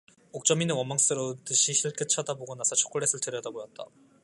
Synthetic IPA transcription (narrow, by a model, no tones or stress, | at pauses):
ok̚t͡ɕ͈ʌminɯwʌmːaŋs͈ɯɾot͈ɯɕʰiɕʰiɭk͈ɯt͡ɕʰadaboɡonasʰʌt͡ɕʰo̥k͈ɯɭːe̞sʰɯɭtɯɾjʌdabojʌt̚t͈a̰